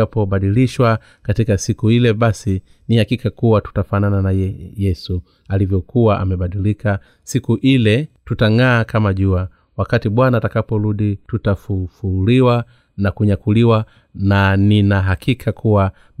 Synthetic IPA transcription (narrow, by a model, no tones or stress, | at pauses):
apɔɓaɗiliʃwa | katikasikuilɛɓasi | nihakikakuwatu̥tafanananajɛjɛsu | alivjɔkuwaʔa̰mɛɓaɗilika | sikuʔilɛtutaŋaːkamaʄua | wakatiɓwanaːtakapɔɾuɗitutafufuliwa | nakuɲakuliwa | naninaɦakikʰakʰuwa